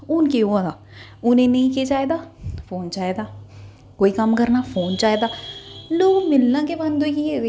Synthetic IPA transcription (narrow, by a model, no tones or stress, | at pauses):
ʊnkeoãd̪aː | ʊnẽːnəĩːkeːt͡ʃaːed̪aːpʰoːnt͡ʃaːeːd̪aː | koːiːkəmkəɾnaːpʰoːnt͡ʃaːed̪aːloːɡmɪlnãːkeband̪oki